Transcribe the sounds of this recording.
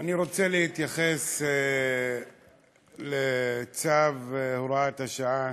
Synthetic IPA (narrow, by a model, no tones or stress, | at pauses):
aniɾo̞t͡selehit̪jaχe̞se | let͡savhoɾat̪haʃaa